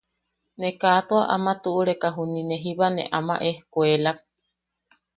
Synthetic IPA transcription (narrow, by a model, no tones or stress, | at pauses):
nekaːt̪oaʔamat̪uʔuɾekaɦunineɦiβanḛʔama̰ʔehkwelak̚